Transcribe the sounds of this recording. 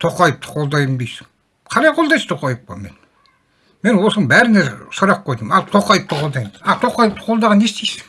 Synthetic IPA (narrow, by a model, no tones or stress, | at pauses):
t̪ʰoqɑjəp̚t̪ʰə̥qʰolˠd̪ɑjmb̪ijsɪ̥ŋ | qʰɑɾɑjqʰolˠd̪ɑjst̪ʰoqɑjəp̚pɑ̰men | menwosəŋbæɾɪneɾsoɾɑqqojd̪əmɑlˠt̪ʰoqɑjəp̚t̪ʰəqʰolˠd̪ɑjmɑt̪ʰoqɑjəp̚t̪ʰə̥qʰolˠd̪ɑʁɑnːest̪ʰijsɪ̥ŋ